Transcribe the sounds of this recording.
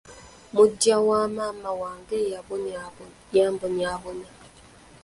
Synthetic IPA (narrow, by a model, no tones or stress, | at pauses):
mʊdjawamamawaŋɡejab | jambʊnabʊna